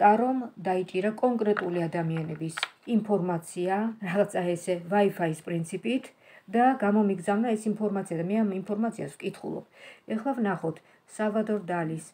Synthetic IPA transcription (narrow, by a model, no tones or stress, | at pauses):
t̪ʼaɾɔmd̪ait͡ʃʼiɾakʼɔŋkʼɾɛt̪ʼuliad̪amianɛbisimpʰɔɾmat̪sʰiaɾaʁat̪sʰaɛsɛvaifaispʼɾint̪sʰipʼit̪ʰ | d̪aɡamɔmiɡzavnaɛsimpʰɔɾmat̪siad̪amɛamimpʰɔɾmat̪sʰia̰svkʼit̪ʰχṵlˠɔ̰b̥̚ɛχlˠavnaχɔt̪ʰ | savad̪ɔɾd̪alis